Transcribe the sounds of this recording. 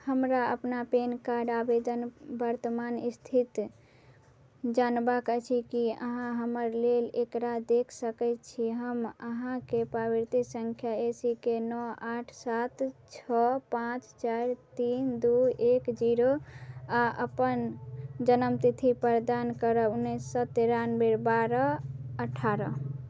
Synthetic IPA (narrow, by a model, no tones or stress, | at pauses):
həmɾaəpnapenkaɾɖabed̪ənbəɾt̪əmanist̪ʰit̪ | d͡ʒanbakət͡ʃʰikiə̰ɦãɦəməɾlelekɾad̪ekʰsəkət̪t͡ʃʰiɦəməɦãkepɾabiɾt̪isəŋkʰjaesikenɔaʈʰsat̪t͡ʃʰɔpãt͡ʃt͡ʃaɾt̪ind̪uekd͡ʒiɾoaʔə̰pənd͡ʒənəmt̪it̪ʰipəɾd̪ankəɾəunːisːət̪eɾanbeɾbaɾəəʈʰːaɾə